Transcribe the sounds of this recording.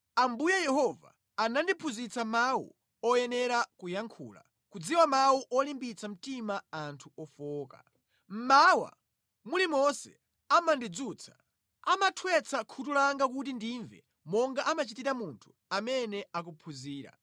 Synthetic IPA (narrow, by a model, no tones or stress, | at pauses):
ambujajɛhɔva̰ | anandipʰuzit͡samawṵ | ɔjɛnɛɾakujaŋkʰṵːla̰ | kud͡ziwamawuʔɔlimbit͡sam̩timaːntʰuɔfɔːka̰ | m̩mawa̰ | mulimɔsɛ̥̰ | amandid͡zut͡sʰḁ | amatʰwɛt͡sʰakʰutulaŋɡakut̬indiɱvɛ̰ | mɔŋɡaʔamat͡ʃitiɾamuntʰu̥ | amɛnɛak̬upʰuziːɾa̰